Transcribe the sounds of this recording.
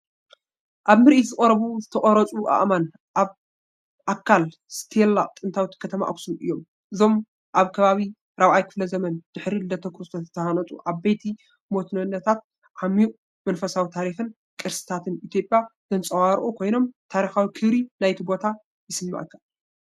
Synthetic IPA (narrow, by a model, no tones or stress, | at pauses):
ʔaβmɨɾʔit̪zɨkʼɐɾɐβuzɨt̪ʰɐχʼɐɾɐt͡sʼuʔa̰ʔman | ʔaβ | ʔakʰːal | sɨ̥t̪ʰelaʔʼt̪ʼɨnt̪ʰawit̪kʰɐt̪ʰɐma̰ʔɐksunɨjːo̞m | ʔɨzo̞m | ʔaβkʰɐβaβi | ɾaβʕajkʰɨflɐzɐmɐnd̪̥ɨħɾild̪ɐt̪ʰːɐkɾɨst̪ʰoɨt̪ʰːɐhanɐt͡sʼṵʔaβbejt̪ʰi | mot̪ʰnɐnːɐt̪ʰat̪̚ | ʕamiʔ | mɐnfɐsawit̪ʰaɾixɨn | kʼɨɾsɨ̥t̪ʰat̪ʰɨnʔit̪ʰjo̞pʼːjaz̥ɐnt͡sʼɐwaɾʔukʰo̞jno̞mt̪ʰaɾixawikʰɨβɾinajt̪ʰibo̞t̪ʰa | jɪsɨmːa̰ʔɨkʰːa